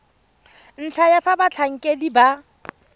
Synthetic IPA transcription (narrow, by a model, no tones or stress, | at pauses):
n̩t͡ɬʰajafabat͡ɬʰaŋ̩kʼediba